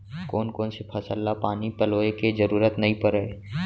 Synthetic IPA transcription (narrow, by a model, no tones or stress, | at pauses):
koːnkoːnsepʰɐsəlːapaːnipɐloːekezəɾuːɾət̪nɐɦĩpəɾəe